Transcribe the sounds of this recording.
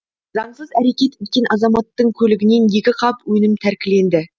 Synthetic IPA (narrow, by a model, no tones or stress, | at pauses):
zɑɴsəzæɾe̞kʲe̞t̪ʏt̪̚kʲe̞nʔɑzɑmɑt̪ːəɴkʲʰɵlɪɡʲɪne̞nje̞kʲɪqʰɑpwɵnɪmt̪ʰæɾkʲɪle̞nd̪ɪ